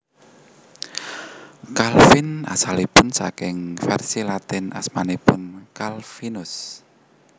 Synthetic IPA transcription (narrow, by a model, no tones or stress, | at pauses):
kalfɪna̰salipʊnsa̰kɪŋfɛrsilat̪ɪnasmanipʊnkalfinʊs